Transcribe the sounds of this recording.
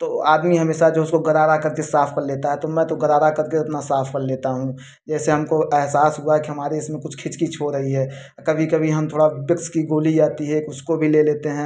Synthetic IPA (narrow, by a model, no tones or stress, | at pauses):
t̪oːa̰ːd̪miɦɐmeːʃad͡ʒoːʊskoɡɐɾaːɾakɐɾkesaːfʰkɐɾleːt̪aɦɛt̪omɛ̃ːt̪oɡɐɾaːɾakɐɾkeɐpnasaːfʰkɐɾleːt̪aɦũ | d͡ʒɛːseɦɐmkoʔɛɦsaːsɦʊaɦɛkiɦɐmaːɾeɪsmẽkʊt͡ʃʰkʰɪt͡ʃkit͡ʃʰoɾɐɦiɦɛː | kɐbʱikɐbʱiɦɐmt̪ʰoːɽabɪkskiɡoːlid͡ʒaːt̪iɦɛkʊskobʱileːleːt̪eɦɛ̃ː